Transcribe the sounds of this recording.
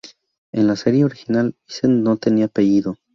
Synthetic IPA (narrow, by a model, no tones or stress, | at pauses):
enlase̞ɾje̞oɾixinalisennot̪eniapeʝiðo